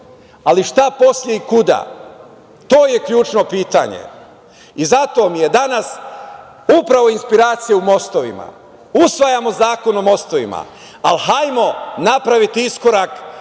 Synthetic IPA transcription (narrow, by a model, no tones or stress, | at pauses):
aliʃt̪apo̞slʎe̞ikud̪a̰ | t̪o̞ːje̞kʎuːt͡ʃno̞piːt̪a̰ɲḛ | izat̪o̞mije̞d̪anas | upɾaʋo̞inspiɾaːt̪sijeumo̞st̪o̞ʋḭma̰ | usʋajamo̞zaːko̞nomo̞st̪oʋḭma̰ | alɦajmo̞napɾaʋit̪iisko̞ɾak